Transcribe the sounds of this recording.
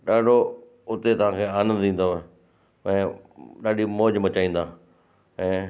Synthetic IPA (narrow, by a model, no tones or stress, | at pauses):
ɗaːɖʱo | ʊt̪et̪ɐʋ̤ãkʰeːaːnə̃nd̪ĩːnd̪oɦe | ɛ̃ːɗaːɗimoːd͡ʑbɐt͡ɕaːĩːnd̪aː | ɛ̃ː